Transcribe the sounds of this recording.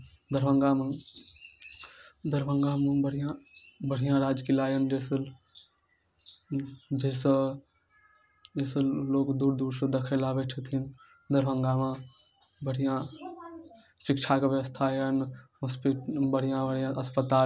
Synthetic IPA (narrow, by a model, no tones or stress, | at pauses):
d̪əɾbəŋɡame | d̪əɾbʱəŋɡamebəɽ̤ijãbəɽ̤ijãɾad͡ʒkilajənd͡ʒesəl | d͡ʒesə | d͡ʒesəlloːkd̪uɾd̪uɾsə̃d̪ekʰelabeʈʰet̪ʰin | d̪əɾbəŋɡame | bəɽ̤ijã | sikt͡ʃʰakeʋjəʋəst̪ʰajənɦospiʈbəɽ̤ijãbəɽijãəspət̪a